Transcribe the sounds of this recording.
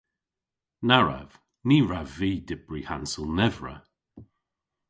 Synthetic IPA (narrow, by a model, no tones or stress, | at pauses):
naɹa̰v̥ | niːɹaviːdɪb̥ɹiːhansəlˠnɛvɹə̰